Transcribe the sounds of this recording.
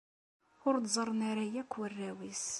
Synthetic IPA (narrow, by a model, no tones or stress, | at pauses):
ʊɾd̪zˤəɾˤnaɾajækʷːwərːæwis